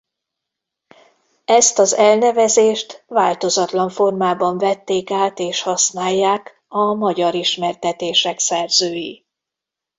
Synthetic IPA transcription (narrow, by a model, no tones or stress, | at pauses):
ɛst̪ɒzɛlnɛvɛzeːʃt̪vaːlt̪o̞zɒt̪lɒɱfo̞rmaːbɒɱvɛt̪ːeːkaːt̪eːʃhɒsnaːjːaːk | ɒmɒɟɒɾiʃmɛrt̪ɛt̪eːʃɛksɛrzøːji